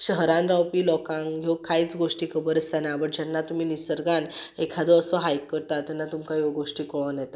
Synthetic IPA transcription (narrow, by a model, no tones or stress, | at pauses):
ɕəɦɾãnɾawpiːlɔkãŋɡɡʱowkait͡sɡoʂʈiːkʰəbəɾəsanabəɽd͡ʑɛnːat̪um̤iːnisəɾɡanekʰad̪ɔəsɔɦajkːəɾt̪at̪ɛnːat̪umkajɔɡoʂʈiːkɔnjɛt̪a